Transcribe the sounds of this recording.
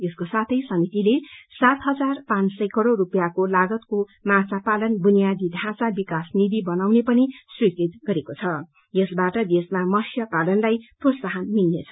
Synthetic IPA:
jʌskosat̪ʰʌjsʌmit̪ilesat̪ɦʌd͡zarpãnt͡ssʌjkʌɽorupjakolaɡʌt̪komãt͡sapalʌnbunijad̪id̪ʱãt͡sabikasnid̪ibʌnawnepʌniswikit̪ɡʌɾekot͡sʰʌ | jʌsbaʈʌd̪esmamʌsjʌpalʌnlajprosaɦʌnmilnḛt͡sʰʌ

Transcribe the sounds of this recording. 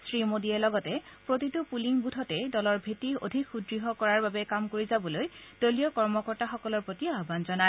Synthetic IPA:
sɹimodiɛlɔɡɔtɛpɹotitupuliŋbudʰʱɔtɛdɔlɔɹbʱetio̰dʱikʰxudɹiɦɔkɔɹaɹbabɛkamkoɹizabɔlojd̥olijɔkɔɹmɔkɔɹtaxɔkɔlɔɹpɹotiaɦɔbanzɔna

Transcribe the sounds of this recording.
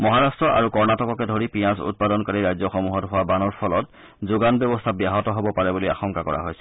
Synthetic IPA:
mɔɦaɹastɹɔʔa̰ɹukɔɹnatɔkɔkɛdʱoɹipiasṵt̚padɔnkɔɹiɹajzɔxɔmuɦɔtɦʊwabanɔɹpʰɔlɔt | zuɡanbjɔbɔstʰabiaɦɔtɔɦobɔpaɹɛbulia̰xɔŋkakɔ̰ɹa̰ɦojsɛ̥

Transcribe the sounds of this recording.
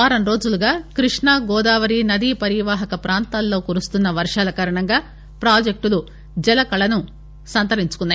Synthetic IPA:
aːɾɐnɾo̞ːd͡ʒuluɡaːkɾiʂɳaːɡɔːd̪aːʋɐɾinɐd̪ipɐɾiʋaːɦɐkɐpɾaːnt̪aːlːo̞ːkuɾust̪unːɐʋɐɾʂaːlɐkaːɾɐɳɐŋɡaː | pɾaːd͡ʒek̚ʈulu | d͡ʒɛlɐkɐɭɐnu | sɐnt̪ɐɾiɲt͡ʃu̥kunːɐj

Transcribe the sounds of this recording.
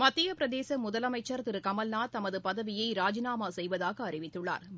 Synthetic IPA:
mɐt̪ːɪjɐpɪɾɐðeːsɐmʊðɐlɐmɐɪt͡ʃːɐɾt̪ɪɾɯkɐmɐlnaːt̪ɐmɐðɯpɐðɐʋɪjɐɪɾaːd͡ʒɪnaːmaːsɛjʋɐðaːɣɐːrɪʋɪt̪ːɯɭːa̰ːɾ

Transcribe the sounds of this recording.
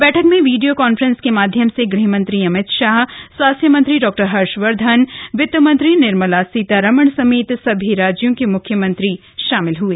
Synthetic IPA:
bɛːʈʰəkmẽʋiːɖijokaːnfɾə̃nskemaːd̪ʱjəmseɡɾiɦmɐ̃nt̪ɾiɐmɪt̪ʃaːɦswaːst̪ʰjəmɐ̃nt̪ɾiɖɔːk̚ʈəɾɦɐɾʃʋəɾd̪ʱənʋɪt̪ːəmɐ̃nt̪ɾinɪɾməlasiːt̪aɾɐməɳ̃sɐmeːt̪sɐbʱiɾaːd͡ʒjõkemʊkʰjəmɐ̃nt̪ɾi | ʃaːmɪlɦueː

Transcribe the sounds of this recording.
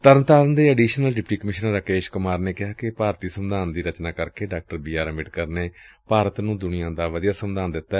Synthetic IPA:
t̪əɾnt̪aːlənd̪eːəɖiːʃnəlɖɪpʈiːkəmɪʃnəɾəkeːʃkʊmaːɾneːkɪɦaːkɪpaːɾt̪iːsəmd̪aːnd̪iːɾət͡ʃnãːkəɾkeːɖaːk̚ʈəɾbiːaːɾmɪʈkəɾneːpaːɾət̪nũːd̪ʊnɪjãːd̪aːʋəd̪ijaːsəmd̪aːnd̪ɪt̪ːaː

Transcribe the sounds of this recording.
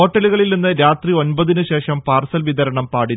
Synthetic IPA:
o̞ːʈːɐluɣɐɭilninːɨɾaːt̪rio̞nbɐðinɨɕe̞ːʂɐmpaːrsɐlʋiðɐɾɐɳɐmpaːɽin

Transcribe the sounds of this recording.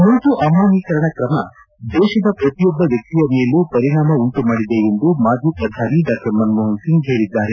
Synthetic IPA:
munt̪uʔɐmaːɦikɐɾɐɳɐkɾɐmɐ̰ | d̪ɛːʃɐd̪ɐpɾɐt̪ijɔbːɐʋjɐk̚t̪ijɐmeːlupɐɾiɳaːmɐuɳʈumaːɽid̪eend̪umaːd͡ʒʱipɾɐd̪ʱaːniɖaːkɐɾmɐnmoɦɐnsiŋɡɦeːɽid̪ːaːɾe

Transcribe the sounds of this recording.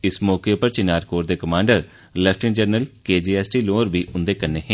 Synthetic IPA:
ɪsmɔːkeːpəɾt͡ʃɪnaːɾkoːɾd̪eːkəmãːɳɖəɾ | lɛːfʰʈɪnd͡ʒəɾnəlkeːd͡ʒiːɛːsʈiːloːɾbiːʊnd̪eːkəɾneːɦɛ̃ː

